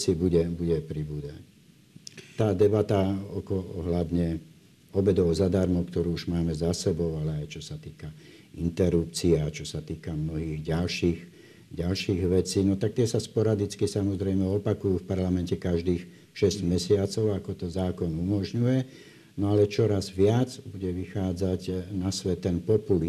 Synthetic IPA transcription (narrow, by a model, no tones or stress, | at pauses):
t͡sibuɟɛbuɟɛpɾibud̪a | t̪aːd̪ɛbat̪aɔkɔɔɦlad̪ɲɛ | ɔbɛd̪ɔʊzad̪aɾmɔʊkt̪ɔɾuːuʒmaːmɛzasɛbɔʊalɛajt͡ʃɔsat̪iːka | int̪ɛɾup̚t͡siat͡ʃɔsat̪iːkamnɔɦiːɣɟalʃiːx | ɟalʃiːɣʋɛt͡siːnɔt̪ak̚t̪ɪɛsaspɔɾad̪it͡skisamɔzɾɛjmɛɔpakujuːfpaɾlamɛncɛkaʒd̪iːx | ʃɛzɟmɛsɪat͡sɔʊakɔt̪ɔzaːkɔnumɔʒɲujɛ | nɔalɛt͡ʃɔɾazʋɪad͡zbuɟɛʋixaːd͡zaɟnasʋɛt̪ːɛnpɔpuli